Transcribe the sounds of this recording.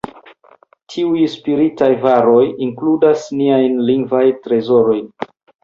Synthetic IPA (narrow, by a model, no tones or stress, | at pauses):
tʰiujspiɾitajvaɾo̞jiŋkludasniajnliŋɡvajtɾe̞zo̞ɾo̞jn